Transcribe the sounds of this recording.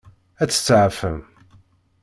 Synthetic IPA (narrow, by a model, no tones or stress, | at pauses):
æt͡sːə̥t͡sːəʕfə̰m